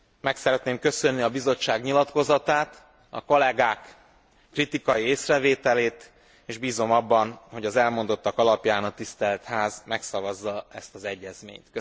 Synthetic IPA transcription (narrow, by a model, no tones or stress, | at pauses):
mɛksɛɾɛt̪neːmkø̞sønːiɒbizo̞t͡ʃːaːɡɲilɒt̪ko̞zɒt̪aːt̪ | ɒ̰ko̞lɛɡaːkː | rit̪ikɒjieːsrɛveːt̪ɛleːt̪ | eːʒbiːzo̞mɒbːɒnho̞ɟɒzɛlmo̞nd̪o̞t̪ːɒkɒlɒpjaːnɒt̪ist̪ɛlt̪haːzmɛksɒvɒzːɒɛst̪ɒzɛɟːɛzmḛːɲt̪kø